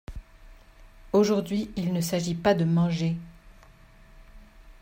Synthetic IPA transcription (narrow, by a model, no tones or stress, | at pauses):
oʒuʁd̪ɥiilnəsaʒipad̪əmɑ̃ʒe